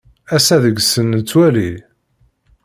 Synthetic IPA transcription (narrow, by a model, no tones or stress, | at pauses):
æsæðəɡsənt͡sːwæli